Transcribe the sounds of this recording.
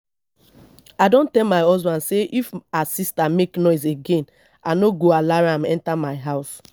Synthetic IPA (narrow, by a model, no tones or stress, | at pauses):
adõntɛlmaɪɔzbãnseʔifasistameknɔɪzeɡẽn | anoɡoalaɹãmɛ̰̃ntamaɪɦaʊs